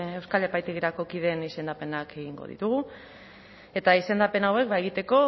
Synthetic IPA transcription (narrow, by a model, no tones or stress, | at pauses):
e̞wskale̞pajt̪e̞ɣiɾako̞kið̞e̞nise̞nd̪ape̞nake̞ɣiŋɡo̞̰ð̞ḭt̪uɣu | e̞t̪aise̞nd̪ape̞nawe̞k̚bae̞ɣ̞it̪e̞ko̞